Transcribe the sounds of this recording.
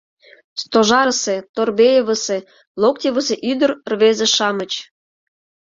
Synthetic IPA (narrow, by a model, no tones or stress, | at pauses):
st̪oʒɑɾəset̪orbejeβəse | lok̚t̪ʲeβəseʔyd̪ərrβezeʃɑmət͡ɕ